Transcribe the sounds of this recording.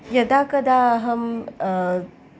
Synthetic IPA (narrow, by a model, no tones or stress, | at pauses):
jəd̪akəd̪aɦəm